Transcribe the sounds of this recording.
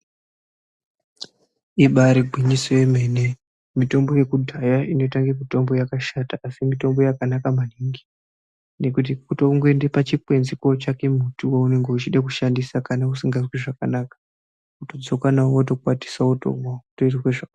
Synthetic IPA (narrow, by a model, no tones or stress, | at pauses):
iɓaɾiɡʱwiɲisoje̞me̞ne | mito̞mbo̞je̞kudʱajaino̞taŋɡemito̞mbo̞jakaʃataːsimito̞mbo̞jakanakamaniŋɡi | ne̞kut̬ikutoŋɡoendepat͡ʃipwe̞nzikot͡ʃake̞mutuwoune̞ŋɡe̞ut͡ʃiɗak̬uʃandisakanausiŋɡazwiʐakanakḁ | uto̞d͡zo̞kanawoto̞kwati̥sauto̰ŋautoitrweʐak